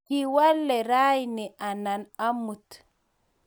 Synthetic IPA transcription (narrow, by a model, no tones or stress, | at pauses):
kiwalːɛɾajniʔananamut